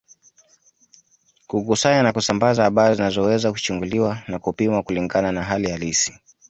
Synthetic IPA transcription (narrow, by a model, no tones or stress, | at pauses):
kukusaɲanakusambazaːɓaɾizinazɔwɛzaku̥t͡ʃuŋɡuliwanakupimwakuliŋɡananaɦalijalisi̥